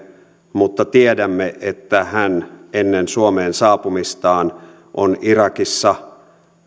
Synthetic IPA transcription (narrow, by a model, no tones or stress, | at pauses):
mut̪ːɑt̪iedæmːeʔet̪ːæhænenːensuomeːnsɑːpumist̪ɑːn | ʔonirɑkisːɑ